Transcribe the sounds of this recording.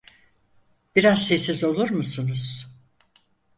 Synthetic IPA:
b̥iɾazsesizo̞lˠuɾmusunuz̥

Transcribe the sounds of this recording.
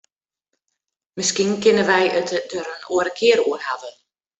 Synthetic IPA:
mɪskinkɪnəʋɛjətədøɾənoəɾəkʰɪəɾuərhavə

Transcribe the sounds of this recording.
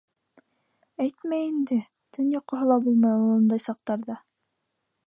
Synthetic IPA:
æjt̪mæjind̪ɘ | t̪ʰɵnjɑqːɤ̆ɦɤlˠɑbulˠmɑjulˠɤnd̪ɑjsɑq̚t̪ɑɾðɑ

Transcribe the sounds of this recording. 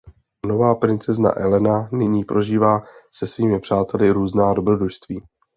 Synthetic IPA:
no̞vaːpɾɪnt͡sɛzna̰ʔɛlɛnanɪɲiːpɾʔo̞ʒiːvaːsɛsviːmɪpr̝̥aːt̪ɛlɪɾuːznaːdo̞bɾo̞dɾuʃst̪viː

